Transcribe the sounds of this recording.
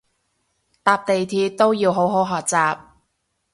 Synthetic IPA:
t̪aː˧p̚t̪e˨jt̪ʰiː˧t̪o˥wjiː˧wɦo˨˥wɦo˨˥wɦɔː˨k̚t͡saː˨p̚

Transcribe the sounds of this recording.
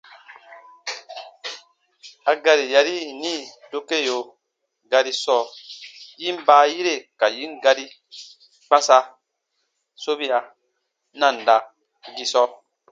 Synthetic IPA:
a˨ɡa˧ɾi˨ja˨ɾi˦˨nĩ˦do˦ke˦˨jo˨ | ɡa˨˧ɾi˦sɔː˦˨ | ji˦m˦baː˨˦ji˦ɾe˦˨ka˨jĩ˦ŋ˦ɡa˧ɾi˦ | k͡pã˦sa˧ | so˦βi˦a˨ | nã˦˨n˨da˨ | ɡi˧sɔ˦

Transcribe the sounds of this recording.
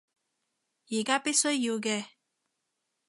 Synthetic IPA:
jiː˨˩kaː˥pi˥t̚sɵ˥ɥjiː˧wkɛː˧

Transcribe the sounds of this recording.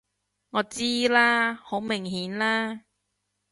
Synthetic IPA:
ŋɔː˨˧t͡siː˥laː˥ho˨˥wmɪ˨˩ŋhiː˨˥nlaː˥

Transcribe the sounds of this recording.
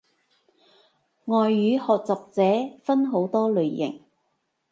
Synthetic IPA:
ŋɔː˨jːyː˨˧˥hɔː˨k̚t͡sɐ˨p̚t͡sɛː˨˥fɐ˥nɦo˨˥wt̪ɔː˥lɵ˨ɥːɪ̰˨˩ŋ

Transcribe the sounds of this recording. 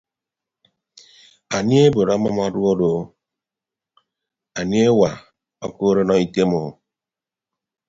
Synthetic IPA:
a˨ni˦e˦bo˨ɾa˦ma˦m˦a˦ɾu˦o˦do˨˦ | a˨ni˦e˦wa˨ | ɔ̰˦ko˦ɾe˦nɔ˦i˨te˦mo˨

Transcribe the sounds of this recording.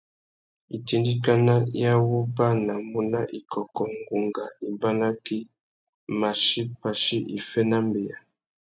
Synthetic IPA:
i˨ti˦ndi˦ka˦na˦ja˦wu˦ba˦na˨mu˦na˦ʔi˨kʰɔ˨kɔ˨ŋɡu˨ŋɡa˨i˨ba˦na˦ki˦ | ma˨ʃi˦pa˨ʃi˦ʔi˨fɛ˦na˦mbe˨ja˨

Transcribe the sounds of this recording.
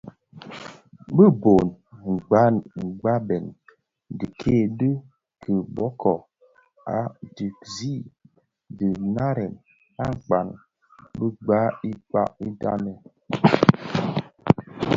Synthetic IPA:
bə˦bo˨n | ŋ̩˨ɡ͡ba˦nŋ͡m̩˨ɡ͡ba˦bɛ˨n | di˨kʰe˦˨dɨ˦ | kʰə˨bɔ˦kʰɔ˨ | a̰˨˦di˨kzi˦ | di˨na˦ɾɛ˨n | a˦ŋ͡m̩˨k͡pa̰˨n | bə˦ɡ͡ba˦i˦k͡pa̰˦i˦da̰˦nɛ˨

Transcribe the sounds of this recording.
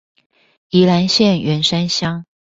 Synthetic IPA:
i˧˥la˧˥nɕjɛ˥˩nɥɛ˧˥nʂa˥nɕjɑ˥ŋ

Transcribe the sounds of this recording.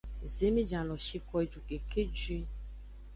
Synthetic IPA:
ze˨˦mĩ˦d͡ʒã˨lɔ˨ʃi˦kɔ˦e˨d͡ʒu˨ɡe˨kʰe˦d͡ʒi˦

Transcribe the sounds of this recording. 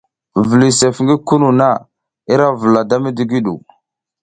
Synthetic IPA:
və˨li˨se˨fŋɡi˦ku˦nu˨na˦˨ | i˦ɾa˦və˨la˨da˦mi˦di˨˦ɡi˦ɗṵ˨

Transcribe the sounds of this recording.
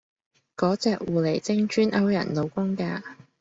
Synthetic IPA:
kɔː˨˥t͡sɛː˨k̚wuː˨˩le˨˩jt͡sɪ˥ŋt͡ʃyː˥nʔɐ˥wjɐ̰˨˩nlo˨˧wkʊ˥ŋkaː˧

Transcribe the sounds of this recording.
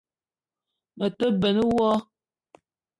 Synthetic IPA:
mə˨tə˦bə˨nə˦wɔ˦

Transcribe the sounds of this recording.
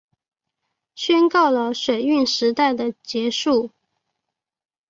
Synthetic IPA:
ɕɥɛ˥nkɑ˥˩ʊlə˩ʂwe˨˩ɪy˥˩nʂɻ̩˧˥t̪a˥˩ɪd̪ə˩t͡ɕjɛ˧˥ʂu˥˩

